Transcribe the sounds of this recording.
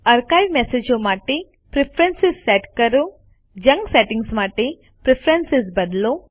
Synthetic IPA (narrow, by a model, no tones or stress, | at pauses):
ɐɾkɐjʋmesed͡ʒomaːʈi | pɾipʰɾensisːeʈkɐɾu | d͡ʒɐŋɡseʈiŋɡsmaːʈi | pɾepʰɾensisbɐd̪lu